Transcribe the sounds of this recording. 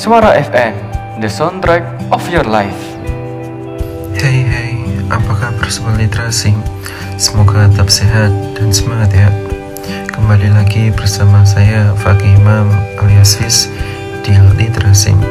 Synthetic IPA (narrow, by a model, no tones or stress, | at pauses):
swaɾaʔɛfɛ̃m | dəsãnt̪ɾɛk̚ | ɔfjɔlajf | hejɦejapakahbərsəwalit̪ɾasɪŋ | sə̥moɡat̪ap̚seɦat̪̚d̥ansəmaŋat̪ja | kəmbalilaɡibərsamas̬ajafakimamɾiasɪs | d̥ilit̪əɾasɪ̰ŋ